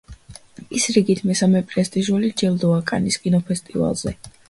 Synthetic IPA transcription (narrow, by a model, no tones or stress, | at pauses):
isɾiɡit̪ʰmɛsamɛpʼɾɛst̪ʼiʒulid͡ʒɛlˠd̪ɔakʼa̰niskʼinɔpʰɛst̪ʼiva̰lˠz̥ɛ